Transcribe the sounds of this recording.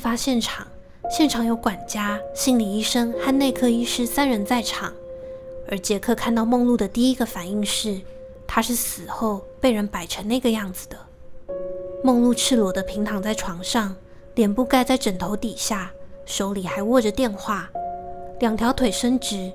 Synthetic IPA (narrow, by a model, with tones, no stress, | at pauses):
fa˥ɕjɛ˥˩nʈ͡ʂʰɑ˨˩˦ŋ | ɕjɛ˥˩nʈ͡ʂʰɑ˨˩ŋjo˧˥ʊkwa˨˩nt͡ɕja˥ɕi˥ŋli˨˩i˥˩ʂɤ˥ŋxa˥˧nne˥˧ɪkʰɤ˥˧i˥ʂɻ̩˥˩sa˥nɻə˧˥nt͡sa˥˩ɪʈ͡ʂʰɑ˨˩˦ŋə˧˥t͡ɕjɛ˧˥kʰɤ˥˧kʰa˥˧nt̪ɑ˥˧ʊmo˥˧ŋlu˥˩d̪ə˩t̪i˥˩i˦˥ɡə˨fa˨˩ni˥˧ŋʂɻ̩˥˩ | t̪ʰa˥ʂɻ̩˥˩sɹ̩˨˩xo˥˧ʊpe˥˩ɪɻə˧˥npa˨˩ɪʈ͡ʂʰə˧˥nne˥˩ɪɡə˩jɑ˥˩ŋd͡zɹ̩˨˩d̪ə˩ | mo˥˧ŋlu˥˧ʈ͡ʂʰɻ̩˥˩lwɔ˧˥d̪ə˧pʰi˧˥ŋt̪ʰɑ˨˩ŋt͡sa˥˩ɪʈ͡ʂʰwɑ˧˥ŋʂɑ˥˩ŋ | ljɛ˨˩npu˥˧ka˥˧ɪt͡sa˥˩ɪʈ͡ʂə˨˩nt̪ʰo˧˥ʊt̪i˨˩ɕja˥˩ʂo˧˥ʊli˨˩xa˧˥ɪwɔ˥˩ʈ͡ʂə˨˩t̪jɛ˥˧nxwa˥˩ | ljɑ˨˩ŋt̪ʰjɑ˧˥ʊt̪ʰwe˨˩ɪʂə˥ŋʈ͡ʂɻ̩˧˥